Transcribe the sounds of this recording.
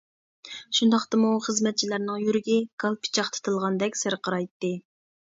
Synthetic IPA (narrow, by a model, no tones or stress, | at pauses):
ʃund̪ɑχt̪ɨmuχəzmɛt̪̚t͡ʃʰilæɾnɨŋjyɾɪɡʲɛɡ̥ɑlˠpʰi̥t͡ʃʰɑχt̪ʰɨ̥t̪ʰɨlˠʁɑnd̪ɛkʲsɪɾqʰəɾɑjt̪ːɨ